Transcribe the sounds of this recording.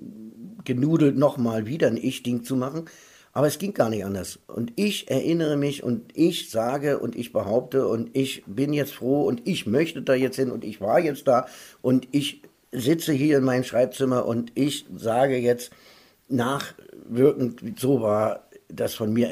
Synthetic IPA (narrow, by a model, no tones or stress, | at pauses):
ɡ̥ənuːdl̩tnɔχmaːlviːdɐnʔɪçd̥ɪŋt͡sumaχn̩ | ʔaːbɐɛsɡ̥ɪŋɡ̥aːɐnɪçtʔandɐsʔʊ̰ntɪçʔɛɐʔɪnəʁ̞əmɪçʔʊ̰ntʔɪçz̥aːɡəʔʊ̰ntɪçb̥əɦaʊp̚təʊntɪçb̥ɪnjɛt͡stfʁ̥oːʊntɪçmœçtədaːjɛt͡sthɪnʊntɪçv̥aːɐjɛt͡st̚d̥aːʔʊntɪç | zɪt͡səɦiːɐɪnmaɪnəmʃʁ̥aɪp̚t͡sɪmɐʔʊntɪçz̥aːɡəjɛt͡st | naːχvɪɐkŋ̩tvz̥oːvaːɐd̥asfɔnmiːɐ